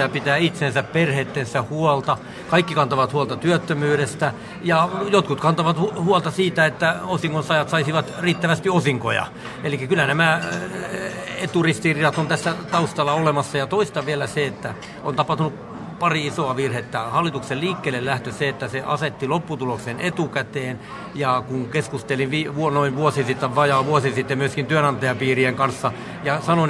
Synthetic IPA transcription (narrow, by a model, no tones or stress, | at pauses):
æpit̪æːit̪sensæpperhet̪ːensæhhuɔlt̪ɑ | kɑikːikɑnt̪oʋɑt̪huɑlt̪ɑt̪yøt̪ːømyːɾest̪æ | jɑjot̪kut̪kɑnt̪oʋɑt̪uhuɔlt̪ɑsiːt̪æet̪ːæosiŋkonsɑjɑt̪sɑisiʋɑt̪riːt̪ːæʋæst̪iosiŋko̰jɑ̰ | elikːækylːænæmæ | et̪urist̪iriɑt̪ont̪æsːæt̪ɑust̪ɑlːɑolemɑsːɑjɑt̪oist̪ɑʋielæseet̪ːæ | ont̪ɑpɑht̪unup | pɑriisoɑʋirhet̪ːæhɑlːit̪ukselliːkːeːlːellæht̪øseet̪ːæseʔɑset̪ːilopːut̪uloksenet̪ukæt̪eːn | jɑkuŋkeskust̪elinʋiːʋuonoinʋuosisit̪ːæʋɑjɑːʋuosisit̪ːemyøskint̪yønɑnt̪ɑjɑpiːrieŋkɑnsːɑ | jɑsɑno